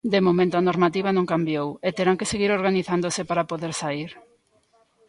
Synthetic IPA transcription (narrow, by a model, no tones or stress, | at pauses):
d̪emomẽnt̪oɐnoɾmat̪iβ̞ɐnõŋkambjowet̪eɾaŋkeseɣiɾoɾɣaniθand̪osɪpaɾapoðeɾsaiɾ